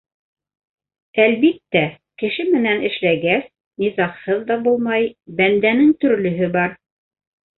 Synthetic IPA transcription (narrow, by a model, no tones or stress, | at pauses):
ælβit̪ːæ | kɘ̆ʃɘmɘ̆nænɘ̆ʃlæɡæs | nizɑqhɤðːɑbulˠmɑjbænd̪ænɘŋt̪ɵ̆ɾlɵ̆ɦɵbɑɾ